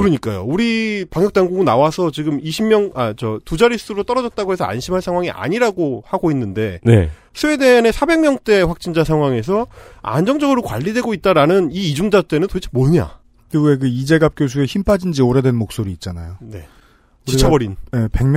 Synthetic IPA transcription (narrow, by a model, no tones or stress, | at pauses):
kɯɾʌɲik͈ajo̰uɾipaŋjʌk̚t͈aŋɡuɡɯnawasʰʌt͡ɕiɡɯmiɕʰimmjʌŋat͡ɕʌtud͡ʑaɾis͈ʰɯɾot͈ʌɾʌd͡ʑʌt̚t͈aɡoɦe̞sʰʌa̰nɕʰimɦaɭsʰaŋɦwaŋiʔa̰ɲiɾaɡohaɡoinːɯnde̞nḛ | sʰɯe̞deane̞sʰabe̞ŋmjʌŋt͈e̞ɸwak̚t͡ɕ͈ind͡ʑasʰaŋɦwaŋe̞s̬ʰʌa̰nd͡ʑʌŋd͡ʑʌɡɯɾokwa̰ʎːidwe̞ɡoit̚t͈aɾanɯniːd͡ʑuŋd͡ʑat͈e̞nɯntoit͡ɕʰmoɯɲa̰ | kiɡuek̬ɯid͡ʑe̞ɡap̚k͈jos̬ʰue̞çimpʰad͡ʑind͡ʑioɾedwenmok̚s͈oɾiːt̚t͡ɕ͈ana̰jone̞ | t͡ɕit͡ɕʰabʌɾinjepe̞ŋm